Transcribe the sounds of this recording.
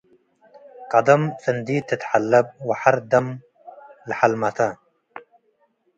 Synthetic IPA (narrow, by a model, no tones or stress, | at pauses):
qɑd̪ɐmfɨnd̪iːt̪ːɨt̪ħalːab̚wɪħaɾd̪ɐm | lħalmat̪a